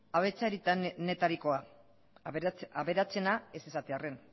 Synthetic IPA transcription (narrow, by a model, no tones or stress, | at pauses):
aβe̞t͡saeɾit̪ane̞t̪aɾiko̞a | aβe̞ɾat͡se̞nae̞sesat̪eare̞n